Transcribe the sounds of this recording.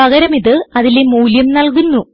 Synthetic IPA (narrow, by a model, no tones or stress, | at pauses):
ɐɣɐɾɐmiðɨɐðilemuːljɐmnɐlkunːu